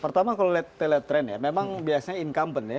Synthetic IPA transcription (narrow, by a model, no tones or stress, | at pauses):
pərt̪amakalolɛt̪ːelət̪ɾɛnja̰memaŋbiasaɲainkampənja